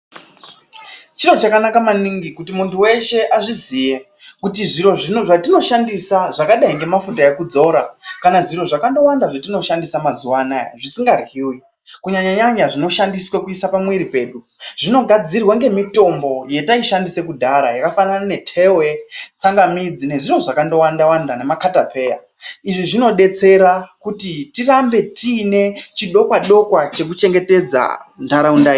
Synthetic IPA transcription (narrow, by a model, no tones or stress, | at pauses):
t͡ʃino̞t͡ʃakanakamaniŋɡikutimuntuwe̞ʃe̞ʔaʐizije | kutiʐiɾo̞ʐinoʐatino̞ʃandisaʐakaɗaiŋɡe̞mafundajekud͡zo̞ɾakanaʐiro̞ʐakando̞wandaʐatino̞ʃandisamazuwanaʐisiŋɡariwi | kuɲaɲaɲaɲaʐino̞ʃandiswekuisapamwiɾipe̞ːɗu | ʐ̥ino̞ɡʱad͡zirwaŋɡe̞mito̞mbo̞je̞taiʃandise̞kudʱaɾajakafananane̞tʰe̞wet͡saŋɡamid͡zine̞ʐinoʐakando̞wandawandane̞makatapʰe̞ːja̰ | iʐiʐino̞ɗe̞t͡se̞ɾakutitirambe̞tiːne̞t͡ʃiɗo̞kwaɗo̞kwat͡ʃe̞k̬ut͡ʃe̞ŋɡe̞te̞d͡za̰ndaɾaundai